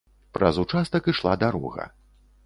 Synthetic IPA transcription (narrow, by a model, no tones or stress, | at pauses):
pɾɐ̰zut͡ʂast̪ɐkɨʂlˠad̪aɾɔ̰ɣɐ̰